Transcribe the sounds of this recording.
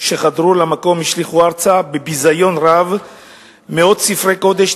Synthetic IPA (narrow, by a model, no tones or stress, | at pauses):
ʃe̞χad̪ʁulamako̞miʃliχuaʁt͡sabebizajo̞nʁav | meo̞d̪sifʁeko̞d̪e̞ʃ